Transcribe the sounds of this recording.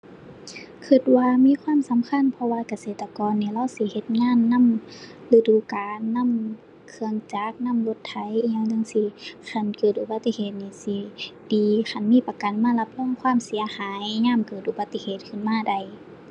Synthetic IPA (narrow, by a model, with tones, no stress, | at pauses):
kʰɯ˧˩t̪̚waː˧miː˧˥˨kʰwaː˧˥˨msa˨˦mkʰa˧˥˨npʰɔ˧waː˧˨ka˧˨seː˧˨˩t̪ːa˧kɔː˨nːiː˧˩la˧˨wsi˧˦he˧˦t̪̚ŋaː˧˥˨nːa˧˥˨m | lɯ˧˨duː˨˦kaː˨nːa˧˥˨m | kʰɯ˧əŋt͡ɕaː˨˦k̚na˧˥˨mlo˧˦t̪ʰːa˧˦jɲa˧˥˨ŋda˧˨ŋsi˧xʰa˧˩˨nkɤː˨˩t̪̚ʔu˧ba˧t̪ːi˧heː˨˩t̪̚niː˧˩si˧˦d̥iː˨xa˧˨nmiː˧˥˨pa˧ka˨nmaː˧˥˨la˧p̚lɔ˧˥˨ŋkʰwaː˧˥˨msi˨˦ɐhaː˨˦jɲaː˧˥˨mkɤː˨˩t̪̚ʔu˧ba˧˦t̪ːi˧heː˨˩t̪̚kʰɯ˧˨nmaː˧˩˨da˧˩j